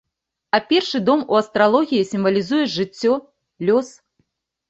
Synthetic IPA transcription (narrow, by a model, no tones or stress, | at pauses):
ɐpʲɛrʂɨd̪ɔmuɐst̪ɾalˠɔɣʲijisʲimvɐlʲizujɛʐɨt͡sʲːɔ | lʲɔs